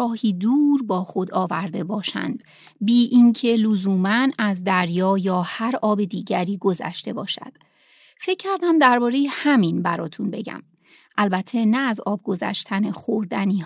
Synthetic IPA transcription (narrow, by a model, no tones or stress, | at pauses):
ɒːhiːd̪uːɾbɒːxo̞d̪ɒːvæɾd̪e̞bɒːʃæ̰nd̪ | biːʔiŋcʰe̞lozuːmænæzd̪æɾjɒːjɒːhæɾɒːbe̞d̪iːɟæɾiːɡo̞zæ̰ʃt̪e̞bɒːʃæ̰d̪̥ | fe̞cʰːæɾd̪æmd̪æɾbɒːɾe̞jehæminbæɾɒːt̪ʰunbe̞ɟæ̰m | ʔælbæt̪ʰːe̞næːzɒːb̚ɡo̞zæ̰ʃt̪ʰænexoɾd̪æniː